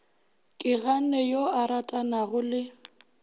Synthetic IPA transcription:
kʼɪɣanɛjoaɾatʼanaɣʊlɪ

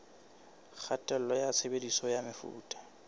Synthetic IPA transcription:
k͡xʰatʼɛl̩lɔjat͡sʰebedisɔjamɪfṵːtʼḁ

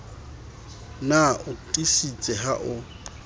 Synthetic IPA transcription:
naʊtʼisit͡sʼɛɦaʔʊ

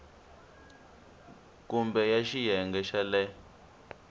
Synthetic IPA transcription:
kumbɛjaʃijɛŋɡɛʃalɛ

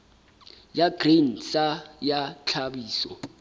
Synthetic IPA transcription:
jaɡ̥rin̩sajat͡ɬʰabiːsɔ̰

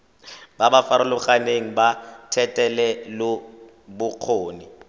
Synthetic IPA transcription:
babafaɾʊlʊχaneŋ̩batʰɛtʼɛlɛlʊ | bʊq͡χʰoːnɪ

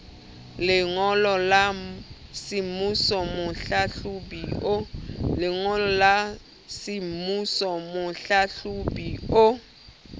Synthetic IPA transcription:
lɪŋɔlɔlasimusɔmʊɬaɬubi | lɪŋɔlɔla | simusɔmʊɬaɬubio

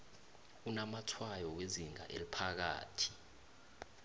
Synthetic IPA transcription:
unamatʰwajɔweziŋa̰ʔelipʰak̬a̰ːtʰi̥

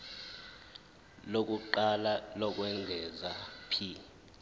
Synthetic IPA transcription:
lok̬ʼuǃalalɔk̬ʼwɛŋɡʱɛzapʰiː

